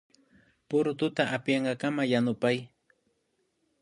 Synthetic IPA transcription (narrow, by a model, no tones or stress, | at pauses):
pʊɾt̪ʊt̪aʔapjeɴɢɑkamajanʊpaj